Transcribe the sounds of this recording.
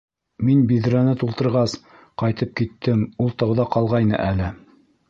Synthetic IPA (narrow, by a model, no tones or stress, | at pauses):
minbiðɾænɘt̪ulˠt̪ɤ̆ɾʁɑs | qɑjt̪ɤp̚kit̪ːɘmulˠt̪ɑwðɑqɑlˠʁɑjnɤ̰ʔælɘ